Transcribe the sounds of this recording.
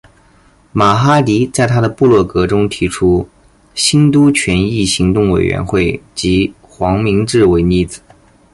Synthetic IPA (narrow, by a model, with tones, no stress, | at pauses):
ma˨˩xa˥li˧˥t͡sa˥˩ɪt̪ʰa˥d̪ə˨pu˥˧lwɔ˥˩kɤ˧˥ʈ͡ʂʊ˥ŋt̪ʰi˧˥ʈ͡ʂʰu˥ | ɕi˥nt̪̬u˥t͡ɕʰɥɛ˧˥ni˥˩ɕi˧˥ŋt̪ʊ˥˩ŋwḛ˨˩ɪɥɛ̰˧˥nxwe˥˩ɪt͡ɕi˧˥ | xwɑ˧˥ŋmi˧˥ŋʈ͡ʂɻ̩˥˩we˧˥ɪni˥˩d͡zɹ̩˨˩˦